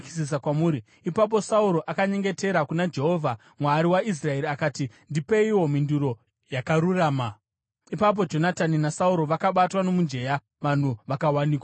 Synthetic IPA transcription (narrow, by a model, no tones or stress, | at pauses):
ki̥sis̬akwamuːɾi | ipap̬o̞sauɾo̞ʔakaɲe̞ŋɡe̞te̞ɾakunad͡ʒe̞ɦo̞ːvʱa | mwaːɾiwais̬rae̞ɾiakaːti | ndipeiwo̞minduɾo̞ | jakaɾuraːma | ipap̬o̞d͡ʒo̞nataninasauɾo̞ʋakaɓatwano̞mund͡ʒe̞ja | ʋan̤uʋakawaniːkwa